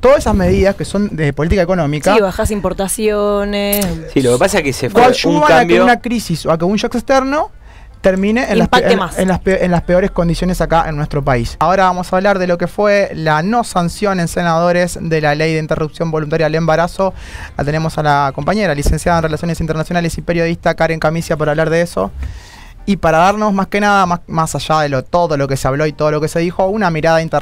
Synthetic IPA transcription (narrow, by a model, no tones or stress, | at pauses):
t̪oðasesazme̞ðiðaskeso̞nd̪epo̞lit̪ikaeko̞nõ̞mikaβaxasimpoɾt̪asjonessilokepasakesefkaʃuβaanaeunakɾisisoakeunʃokest̪eɾno̞ | t̪eɾmĩneʔːnaaemasenlaspʔenlaspeo̞ɾeskond̪isjo̞nesakaʔḛnːwe̞st̪ɾo̞paisao̞ɾaβamo̞saβlaɾðelo̞kefwelano̞sansjo̞ne̞nsenaðo̞ɾezðe̞lalejðeint̪erupsjo̞mbo̞lunt̪aɾjaelembaɾaso̞ | la̰t̪e̞ne̞mo̞salako̞mpaɲe̞ɾalise̞nsjaðaenrelasjo̞nesint̪eɾnasjo̞nale̞sipe̞ɾjo̞ð̞ist̪akaɾeŋkamisjapaɾaβlaɾðeeso̞̰ | ipaɾaðaɾno̞zmaske̞naðamamasaʒaðelot̪o̞ðo̞lo̞ke̞seaβlo̞it̪o̞ð̞olo̞kese̞ð̞ixo̞unamiɾaðaint̪e